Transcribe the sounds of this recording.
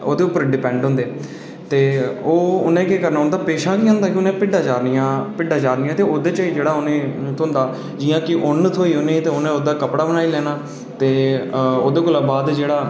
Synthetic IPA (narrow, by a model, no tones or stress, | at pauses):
o̰ːd̪eːʊpːəɾɖɪpɛ̃ːɳɖɦʊ̃nd̪eː | t̪eːoːʊnẽːkeːkəɾnaːɦʊ̃nd̪aːpeːʃãːkiːɦʊ̃nd̪aːkɪʊnẽːpɪɖaːt͡ʃaːɾnijãːpɪɖaːt͡ʃaːɾnijãːt̪eːoːd̪eːt͡ʃaiːd͡ʒeːɽaːʊnẽːt̪ʰoːnd̪aː | d͡ʒiːãːkɪʔʊnt̪ʰoːiːɦonẽːt̪eːʊnẽːoːd̪aːkəpɽaːbənaːiːlɛːnaː | t̪eːo̰ːd̪eːkʊlaːbaːd̪d͡ʒeːɽaː